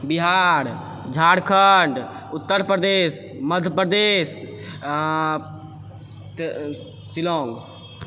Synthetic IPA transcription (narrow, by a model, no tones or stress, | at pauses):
biɦaɾ | d͡ʒʱaɽkʰəɳɖut̪ːəɾpɾəd̪eːsməd̪ʱjəpɾəd̪es | t̪ | silõŋɡ